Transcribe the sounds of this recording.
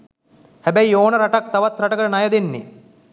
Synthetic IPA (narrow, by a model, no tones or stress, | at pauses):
hæbæioːnɐɾɐʈɐk̚t̪ɐʋɐt̪ɾɐʈɐkəɾɐnɐjɐd̪enːḛ